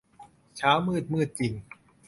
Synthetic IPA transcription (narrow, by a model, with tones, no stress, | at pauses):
t͡ɕʰaː˦˥wmɯː˥˩t̪̚mɯː˥˩t̪̚t͡ɕi˨˩ŋ